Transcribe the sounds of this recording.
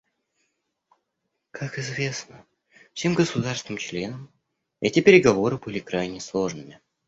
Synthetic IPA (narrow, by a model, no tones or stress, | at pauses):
kʰakɪzvʲe̞snə | fsʲe̞mɡəsʊd̪arsvɪnɨmt͡ɕlʲe̞nəm | ɛtʲɪpʲɪɾʲɪɡɐvo̞ɾɨbɨlʲɪkɾajnʲɪəslˠo̞ʐnɨmʲɪ